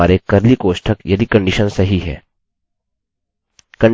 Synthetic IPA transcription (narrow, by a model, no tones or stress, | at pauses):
aːɾekɐɾlikoːʃʈʰəkjɐd̪ikɐ̃ɳɖɪʃənsɐɦiɦɛ̰ː | kɐ̃ɳ